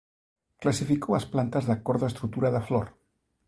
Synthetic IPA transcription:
klasifikowasplant̪azðakoɾðoest̪ɾut̪uɾaðəflo̰ɾ

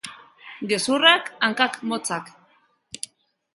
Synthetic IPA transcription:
ɡesurakaŋkakmot͡sak

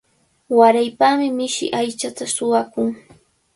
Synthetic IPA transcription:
waɾajpamɪmɪʃɪ̰ʔajt͡ʃat̪asʊwakʊŋ

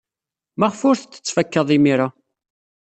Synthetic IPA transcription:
mæʁfʊɾθət͡sːə̥t͡sːfækːəðˤimiɾa

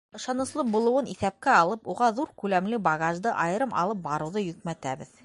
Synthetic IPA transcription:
ɤ̆ʃɑnɤ̆slˠɤq̚bulˠɤ̆wɤniθæp̚kæɑlˠɤpuʁɑðuɾkʉlæmlɘbɑɡaʒd̪ɤʔɑjɤ̆ɾɤmʔɑ̰lˠɤp̚bɑɾɤ̆wðɤjɵkmæt̪æbɘð

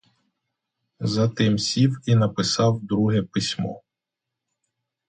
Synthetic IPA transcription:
zɐt̪ɪmsʲiwinɐpɪsɑwd̪ɾuɦɛpɪsʲmɔ̰

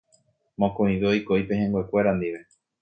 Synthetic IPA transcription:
mõkõĩβeojkoipeɦẽŋɡʷekʷe̞ɾand̪iʋe

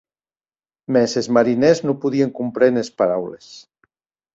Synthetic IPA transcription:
mɛsezmaɾinɛznopuðieŋkumpɾenespaɾawles

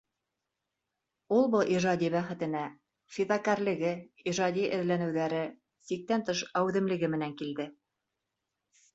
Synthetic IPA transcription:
ulˠbɤʔiʒɑd̪ʲiβæχɘ̆t̪ɘ̆næ | fiðɑkæɾlɘ̆ɡɘ | iʒɑd̪ʲiʔɘ̆ðlænɘ̆wðæɾɘ | sik̚t̪ænt̪ɤ̆ʃɑwʉðɘ̆mlɘ̆ɡɘmɘ̆næŋkild̪ɘ

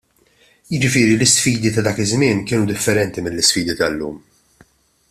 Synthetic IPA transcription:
jɪd͡ʒɪfɪːɾilɪsfiːd̪it̪ɐd̪ɐːkɪzmɪːnkɪːnud̪ɪfːɛɾɛnt̪imɪlːɪsfiːd̪it̪ɐlːṵːm

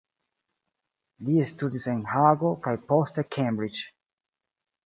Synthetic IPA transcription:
d̪iɪst̪udisɪ̃nhaɡokajpɔst̪əkʰẽmbɹɪd͡ʒ

